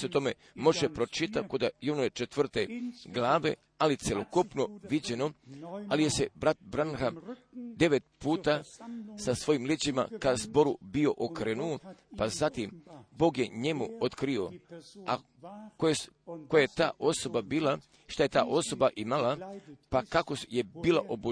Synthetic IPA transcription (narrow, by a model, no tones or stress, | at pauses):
seot̪o̞me̞ | mo̞ʒepɾo̞t͡ʃit̪akod̪ajonoet͡ʃet̪ʋr̩t̪e̞ɡlˠaːʋe̞̰ | alit̪sjelokupno̞ʋid͡ʑe̞no̞alije̞sebɾat̪̚bɾanhad̪e̞ʋe̞t̪̚puːt̪asasʋo̞jimlet͡ɕima̰kazbo̞ɾubio̞ʔokɾeːnuopazat̪imbo̞ːɡje̞ɲe̞muot̪kɾio̞a̰ | koeko̞jajet̪a̰ːʔo̞so̞babiːla | ʃt̪aje̞t̪aːʔo̞so̞baʔimalapakako̞je̞biːlaʔobu